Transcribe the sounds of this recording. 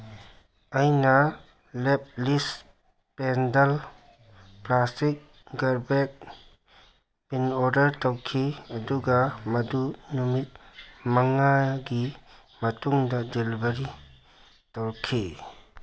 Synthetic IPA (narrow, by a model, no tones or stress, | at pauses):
ajnɐ | lɛp̚lis | pɛndɐl | plastik̚ | ɡɐɾbek̚ | pinɔɾdɐɾtɔwkʰiɐduɡamɐdunumit̚mɐŋaɡi | mɐtuŋdɐdelbɐɾi | tɔwkʰi